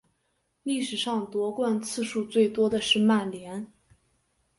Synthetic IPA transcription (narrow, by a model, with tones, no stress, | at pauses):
li˥˩ʂɻ̩˨˩ʂɑ˥˩ŋt̪wɔ˧˥kwa˥˧nt͡sʰɹ̩˥˧ʂu˥˧t͡swe˥˩ɪt̪wɔ˥d̪ə˨ʂɻ̩˥˧ma˥˩nljɛ˧˥n